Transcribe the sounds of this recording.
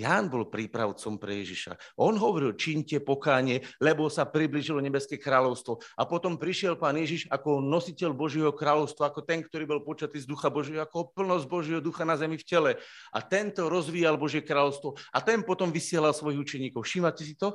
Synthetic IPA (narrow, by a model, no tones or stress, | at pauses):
jaːnbɔlpɾiːpɾa̰ʊt͡sɔmpɾɛ̰jɛ̰ʒiʃa̰ʔɔnɦɔʋɔɾilt͡ʃiɲcɛpɔkaːɲɪɛlɛbɔsapɾibliʒilɔɲɛbɛskɛːkɾaːlɔʊst̪ʋɔapɔt̪ɔmpɾiʃɪɛlpaːnjɛʒiʃakɔnɔsicɛʎbɔʒɪɛɦɔkɾaːlɔʊst̪ʋaakɔt̪ɛŋkt̪ɔɾiːbɔlpɔt͡ʃat̪iːzd̪uxabɔʒjɛɦɔakɔpl̩nɔzɟ̚bɔʒjɛɦɔd̪uxanazɛmifcɛlɛ | ʔa̰t̪ɛnt̪ɔɾɔzʋiːjalbɔʒɪɛkɾaːlɔʊst̪ʋɔat̪ɛnpɔt̪ɔmʋisɪɛlalsʋɔjiɣut͡ʃɛɲiːkɔʊʃiːmacɛsit̪ɔ